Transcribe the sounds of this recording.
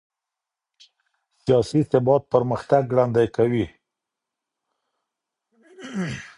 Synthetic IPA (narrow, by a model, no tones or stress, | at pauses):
sijɑsisɪbɑt̪̚pəɾməxt̪aɡɽand̪ajkawi